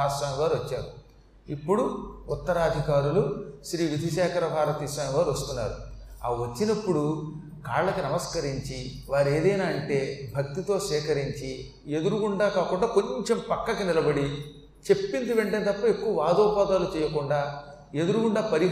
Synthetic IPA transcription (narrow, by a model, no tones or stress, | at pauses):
aːsaːnɡaːɾʋɐt͡ʃːaːɾu | ipːuɽuut̪ːɐɾaːd̪ʱikaːɾuluʃɾiːʋid̪ʱiʃ̬aːkʰɐɾɐbʱaːɾɐt̪iːsaːnʋaːɾuʋɐst̪unːa̰ːɾṵaːʋɐt͡ʃːinɐpːuɽu | kaːɭlɐkinɐmɐskɐɾiɲt͡ʃi | ʋaːɾe̞ːd̪ɐjnaːɐɳʈe̞ːbʱɐk̚t̪it̪o̞ːʃʋɛːkɐɾiɲt͡ʃi | e̞d̪uɾuɡuɳɖaːkaːkuɳɖaːko̞ɲt͡ʃe̞mpɐkːɐkinilɐbɐɽi | t͡ʃe̞pːind̪uʋe̞ɳʈent̪ɐpːɐekːuʋɐʋaːd̪ɔːpaːd̪aːlut͡ʃɛːjɐkuɳɖaː | e̞d̪uɾukuɳɖaːpɐɾi